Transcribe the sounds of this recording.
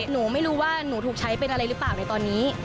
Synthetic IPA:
nuː˩˦ma˥˩jɾuː˦˥waː˥˩nuː˩˦t̪uː˨˩k̚t͡ɕʰa˦˥jpe˧nʔa˧ɾa˧jɾɯ˦˥paː˨˩wna˧jt̪ɔː˧nːiː˦˥

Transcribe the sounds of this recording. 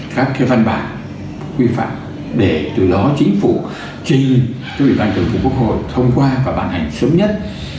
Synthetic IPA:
kaː˦˥kxe˨˦va˧nɓa̰ː˧˨˩n | kwi˧fa̰ː˧˨m | ɗe˧˩t̪ɨ˨˩ɗɔ˨˦t͡ɕï˨˦ŋ̟fṵ˧˩ | t͡ɕï˨˩ŋ̟t͡ɕɔ˨˦˥wḭ˧˨ɓaː˧nkɨ˨˩ŋfu˨˩ku˦˥ək̚ho̰˧˨jt̪ʰə˧wŋ͡mkwaː˧vaː˨˩ɓaː˧˩nha˨˩jŋ̟sə˨˦wŋ͡mɲə˦˥t̚

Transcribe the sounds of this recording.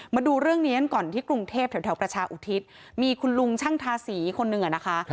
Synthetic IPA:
maː˧duː˧ɾɯ˥˩əŋniː˦˥ka˧nkɔː˨˩nt̪ʰiː˥˩kɾu˧ŋt̪ʰeː˥˩p̪̚ʰɛ˩˦t̪ʰɛː˩˦pɾa˧t͡ɕʰaː˧ʔu˨˩t̪ʰi˦˥t̪̚ | miː˧kʰu˧nlu˧ŋt͡ɕʰa˥˩ŋt̪ʰaː˧siː˩˦kʰo˧nːɯ˨˩ŋʔa˨˩na˦˥kʰa˦˥

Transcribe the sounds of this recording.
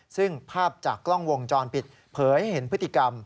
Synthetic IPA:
sɯ˥˩ŋpʰaː˥˩p̚t͡ɕaː˨˩kːlɔ˥˩ŋwo˧ŋt͡ɕɔː˧npi˨˩t̪̚ | pʰɤː˩˦jja˩he˩˦npʰɯ˦˥t̪ːʰi˨˩ka˧m

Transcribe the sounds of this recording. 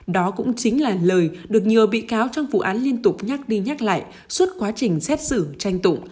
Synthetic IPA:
ɗɔ˨˦kʊ̰˧˥ŋ͡mt͡ɕi˨˦ŋ̟laː˨˩ləː˨˩jɗɨ˨˩ək̚ɲɨ˨˩əɓḭ˧˨kaː˨˦wt͡ɕɔ˧wŋ͡mvṵ˧˨ʔaː˨˦nli˧ənt̪ʊ˨˩k͡p̚ɲaː˦˥k̚ɗi˧ɲaː˦˥k̚la̰ː˧˨j | swə˦˥t̚kwaː˨˦t͡ɕï˨˩ŋ̟sɛ˦˥t̚sɨ̰˧˩t͡ɕa˧jŋ̟t̪ʊ̰˧˨ŋ͡m

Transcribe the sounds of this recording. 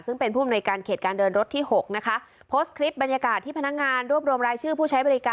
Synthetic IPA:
sɯ˥˩ŋpe˧npʰuː˥˩a˨mnu˧jkaː˧nkʰeː˨˩t̪̚kaː˧ndɤː˧nɾo˦˥t̪ʰːiː˥˩ho˨˩k̚na˦˥kʰa˦˥ʔ | pʰoː˦˥st̪̚kʰɾi˦˥p̚ba˧nja˧kaː˨˩t̪ʰːiː˥˩pʰa˧na˦˥k̚ŋaː˧nɾu˥˩əp̚ɾu˧əmɾaː˧jt͡ɕʰɯː˥˩pʰuː˥˩t͡ɕʰa˦˥jbɔː˧ɾi˦˥kaː˧

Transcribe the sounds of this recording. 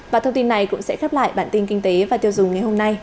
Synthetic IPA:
vaː˨˩t̪ʰə˧ŋ͡mt̪i˧nːa˨˩jkʊ̰˧˥ŋ͡msɛ̰˧˥xɛ˦˥p̚la̰ː˧˨jɓa̰ː˧˨nt̪i˧nkï˧ŋ̟t̪e˨˦vaː˨˩t̪i˧wzʊ˨˩ŋ͡mŋa˨˩jho˧mna˧j

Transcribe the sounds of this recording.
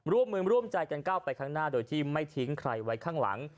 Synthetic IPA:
ɾu˥˩əmːɯː˧ɾu˥˩əmt͡ɕa˧jka˧nkaː˥˩wpa˧jkʰaː˥˩ŋnaː˥˩doː˧jt̪ʰiː˥˩ma˥˩jt̪ʰi˦˥ŋkʰɾa˧jwa˦˥jkʰaː˥˩ŋla̰˩˦ŋ

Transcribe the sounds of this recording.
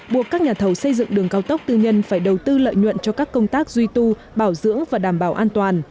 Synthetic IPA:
ɓu˨˩əkːaː˦˥k̚ɲaː˨˩t̪ʰə˨˦wsə˧jzɨ̰˧˨ŋɗɨ˨˩əŋkaː˧wt̪ə˦˥wk͡p̚t̪ɨ˧ɲə˧nfaː˧˩jɗə˨˩wt̪ɨ˧lə̰ː˧˨jɲwə̰˧˨nt͡ɕɔ˧kaː˦˥kːə˧wŋ͡mt̪aː˦˥k̚zwi˧t̪u˧ | ɓaː˧˩wzɨ̰˧˥əŋvaː˨˩ɗaː˧˩mɓaː˧˩wʔaː˧nt̪waː˨˩n

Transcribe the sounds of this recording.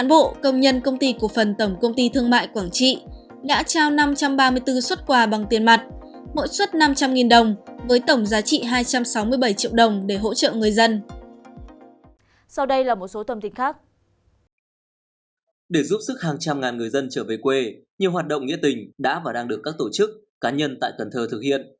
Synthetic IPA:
a˨˦nɓo̰˧˨kə˧wŋ͡mɲə˧nkə˧wŋ͡mt̪i˧ku˨˩fə˨˩nt̪ə˧˩wŋ͡mkə˧wŋ͡mt̪i˧t̪ʰɨ˧əŋma̰ː˧˨jkwaː˧˩ŋt͡ɕḭ˧˨ | ɗa̰ː˧˥t͡ɕaː˧wna˧mt͡ɕa˧mɓaː˧mɨ˧əjt̪ɨ˧swə˦˥t̚kwaː˧˩ɓa˨˩ŋt̪i˨˩ənma˨˩t̚ | mo̰˧˥jswə˦˥t̚na˧mt͡ɕa˧mŋi˨˩nɗə˨˩wŋ͡mvəː˨˦jt̪ə˧˩wŋ͡mzaː˨˦t͡ɕḭ˧˨ɦaː˧jt͡ɕa˧msa˨˦wmɨ˧əjɓə˧˩jt͡ɕḭ˧˨əwɗə˨˩wŋ͡mɗe˧˩ɦo̰˧˥t͡ɕə̰˧˨ŋɨ˨˩əjzə˧n | sa˧wɗə˧jlaː˨˩mo˨˩t̚so˨˦t̪ə˨˩mt̪ï˨˩ŋ̟xaː˦˥k̚ | ɗe˧˩zu˦˥p̚sɨ˦˥k̚haː˨˩ŋt͡ɕa˧mŋaː˨˩nŋɨ˨˩əjzə˧nt͡ɕəː˧˩ve˨˩jkwe˧ɲi˨əwɦaː˨˩t̚ɗə̰˧˨wŋ͡mŋḭ˧˥ət̪ï˨˩ŋ̟ɗa̰ː˧˥vaː˨˩ɗaː˧ŋɨ˨˩əkːaː˦˥k̚t̪o˧˩t͡ɕɨ˦˥k̚ːaː˨˦ɲə˧nt̪a̰ː˧˨jkə˨˩nt̪ʰəː˧˩t̪ʰɨ˨˩k̚hḭ˧˨ən

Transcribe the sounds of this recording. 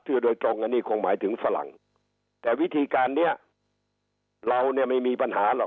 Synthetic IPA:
t̪ʰɯ˧˩doː˧jt̪ɾo˧ŋːa˧nːiː˥˩kʰo˧ŋmaː˩˦jt̪ʰɯ˩˦ŋfa˧la̰˨˩ŋ | t̪ɛː˨˩wi˦˥t̪ʰiː˧kaː˧nːi˥˩ɐ | ɾa˧wni˦˥˩ɐma˥˩jmiː˧pa˧nhaː˩˦lɔː˨˩

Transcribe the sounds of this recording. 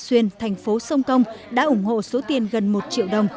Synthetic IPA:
swi˧ənt̪ʰɛ˨˩jŋ̟fo˨˦sə˧wŋ͡mkə˧wŋ͡mɗa̰ː˧˥ʔʊ˧˩ŋ͡mho̰˧˨so˨˦t̪i˨˩ənɣə˨˩nmo˨˩t̚t͡ɕḭ˧˨əwɗə˨˩wŋ͡m

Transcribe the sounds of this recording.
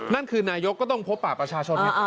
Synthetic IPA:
na˥˩nkʰɯː˧naː˧jo˦˥kːɔ˥˩t̪ɔ˥˩ŋpʰo˦˥pːaː˨˩pɾa˧t͡ɕʰaː˧t͡ɕʰo˧nna˧˩˧

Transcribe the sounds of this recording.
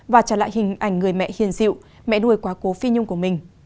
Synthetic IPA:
vaː˨˩t͡ɕaː˧˩la̰ː˧˨hï˨˩ŋ̟ʔa˧˩jŋ̟ŋɨ˨˩əjmɛ̰˧˨hi˨˩ənzḭ˧˨w | mɛ̰˧˥˨nu˧əjkwaː˨˦ko˨˦fi˧ɲʊ˧ŋ͡mku˧˩əmï˨˩ŋ̟

